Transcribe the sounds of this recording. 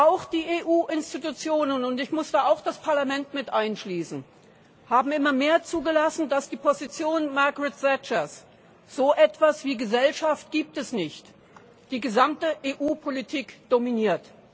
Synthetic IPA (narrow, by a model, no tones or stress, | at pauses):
ʔaʊxd̥iːʔeːʔuːʔɪnstitut͡sjoːnənʊntɪçmʊsd̥aːaʊxd̥aspʰaɐlamɛntmɪtʔaɪnʃliːsn̩ | haːbm̩ɪmɐmeːɐt͡suːɡəlasn̩dasd̥iːpʰozit͡sjoːnmaɐɡʁɪtz̥ɛt͡ʃɐs | z̥oːʔɛtv̥asv̥iːɡəzɛlʃaft̚ɡ̥iːp̚tɛsnɪçt | d̥iːɡəzamtəʔeːʔuːpʰolitʰiːkd̥ominiːɐt